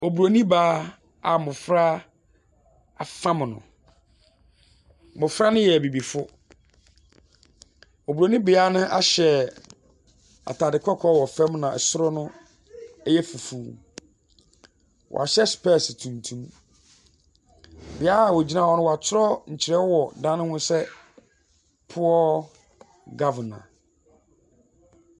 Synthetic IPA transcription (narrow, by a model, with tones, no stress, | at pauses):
o˨bu˨ɾo˨nĩ˦baː˦ | a˨mʊ̃˨fɾa˦ | a˨fã˦m˨nʊ̰̃˨ | mʊ̃˨fɾa˦nʊ̃˦jɛ˨bi˨bi˨fʊ˦ | o˨bɾo˨nĩ˦bɪ˨a˦nʊ̃˦ʔa̰˦ɕɛ˨ | a̰˨tʰaː˨dɪ˨kʰɔ˦kʰɔ˦wɔ˨fɛ̃˦mnã˨ʔsʊ˦ɾʊ˦nʊ̃˦ | ɛ˦jɛ˦fu˨fuː˨ | wɔ̰˨a̰˨ɕɛ˦spʰɛ˦˨stʰũ˨ntʰũ˦m | bɪ˨a˦a˨wɔ˨d͡ʑi˦nã˦˨wɔ˨˦nʊ̃˦wɔ˨a˨tʰʊ˦ɾɔ˦ɲ̩˨t͡ɕʰɪ˨ɾɛ˦wɔ˦wɔ˨dã˦nʊ̃˦nʊ̃˦sɛ˦ | pʰʊ˦ɔ˦ | ɡa˦vnã̰˨